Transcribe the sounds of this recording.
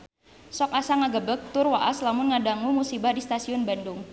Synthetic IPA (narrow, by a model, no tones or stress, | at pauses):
sɔkasaŋaɡəbək̚t̪ʊrwaʔaslamʊnŋadaŋumusibahdist̪asiʊnbandʊŋ